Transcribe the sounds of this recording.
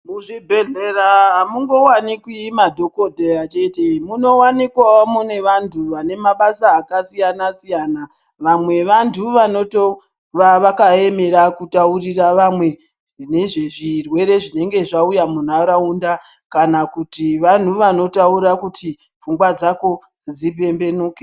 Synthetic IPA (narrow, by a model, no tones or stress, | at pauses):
muʐibʱeɮeraɦamuŋɡo̞wanikwimadʱo̞kodʱejat͡ʃe̞te̞muno̞wanikwaomune̞ʋantʰuʋane̞maɓasaːkasijanasijana | ʋamwe̞ʋantʰuʋano̞to | ʋaʋakae̞me̞ɾakutauriraʋamwe̞ | ʐine̞ʐeʐirwe̞ɾe̞ʐine̞ŋɡe̞ʐaujamun̤aɾaunda | kanakutiʋan̤uʋano̞tauɾakutʰi | p͡fuŋɡwad͡zako̞ | d͡zip̬e̞mbe̞noːke